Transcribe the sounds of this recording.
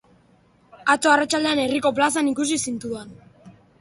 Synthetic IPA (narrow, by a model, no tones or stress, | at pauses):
at͡soarat͡ʃald̪e̞ane̞riko̞plas̬anikusisint̪uan